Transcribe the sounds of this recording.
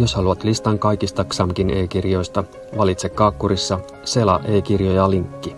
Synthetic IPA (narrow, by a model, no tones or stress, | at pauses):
jo̞shɑluɑt̪list̪ɑŋkɑjkist̪ɑksɑmkinʔeːkirjo̞jst̪ɑ | ʋɑlit̪sekːɑːkːuɾisːɑ | se̞lɑ̰ʔe̞ːkirjojɑliŋkːi